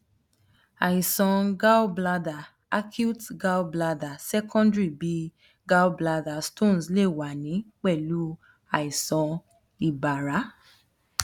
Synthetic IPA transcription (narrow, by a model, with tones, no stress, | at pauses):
a˨i˨sɔ̃˧ɡa˦bla˦da˨ | a˦kʰu˦tɡa˦wbla˧da˨sɛ˦kʰɔ̃˦ndɹi˦˨bi˦ | ɡa˦wbla˧da˨stõ˦˨n˨sle˦˨wa˨nĩ˨˦k͡pɛ˦˨lu˨˦ | a˨i˨sɔ̃˧ | i˨ba˨ɾa˨˦